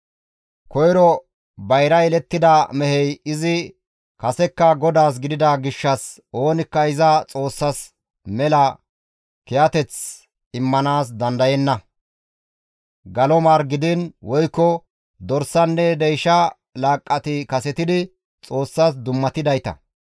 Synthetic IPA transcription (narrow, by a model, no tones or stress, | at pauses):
kɔjɾɔ | bɐjɾɐjɛlɛt̪ːɪd̪ɐmɛhɛjɪzɪ | kɐsɛkːɐɡɔd̪aːs̬ɡɪd̪ɪd̪ɐɡɪʃːɐs | o̞ːnɪkːɐɪzɐt͡sʼo̞ːsːɐs | mɛlɐ | kɛjɐt̪ɛt͡s | ɪmːɐnaːs̬d̪ɐnd̪ɐjɛnːɐ | ɡɐlɔmaːɾɡɪd̪ɪnwɔjkːɔ | d̪ɔɾsːɐnːɛd̪ɛjʃɐ | laːkʼːɐt̪ɪkɐsɛt̪ɪd̪ɪ | t͡sʼo̞ːsːas̬d̪ʊmːɐt̪ɪd̪ɐjt̪ɐ̰